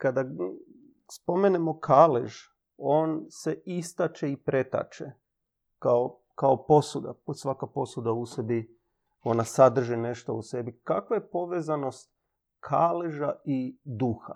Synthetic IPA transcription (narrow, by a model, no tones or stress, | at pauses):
kad̪a | spo̞menemo̞kʰaːlḛʒ | o̞ːnse̞ist̪at͡ʃeipɾe̞t̪a̰t͡ʃe | kao | kaopo̞sud̪a̰sʋakapo̞sud̪ausebi | o̞nasad̪r̩ʒine̞ʃt̪o̰use̞bikakʋajepo̞ʋeːzano̞st̪̚ | kʰaːleʒaid̪uxa̰